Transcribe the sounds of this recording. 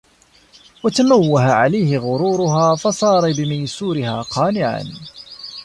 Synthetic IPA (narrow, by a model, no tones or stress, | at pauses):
wat̪anawːahaʕalajhɪɣʊɾuːɾʊɦaːfɑsˤɑːɾˤɑbɪmajsuːɾɪhaːqɑːnɪʕa̰n